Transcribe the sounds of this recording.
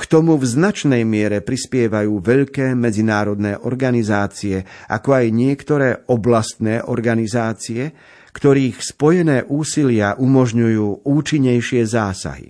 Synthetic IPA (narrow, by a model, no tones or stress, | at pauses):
kt̪ɔmuvznat͡ʃnɛjmɪɛɾɛpɾispɪɛʋajuːʋɛʎkɛːmɛd͡zinaːɾɔd̪nɛːʔɔɾɡanizaːt͡siɛʔa̰kɔajɲɪɛkt̪ɔɾɛːɔblast̪nɛːʔɔɾɡanizaːt͡siɛ | kt̪ɔɾiːxspɔjɛnɛːʔuːsilɪaʔumɔʒɲujuːʔuːt͡ʃiɲːɛjʃɪɛzaːsa̰ɦḭ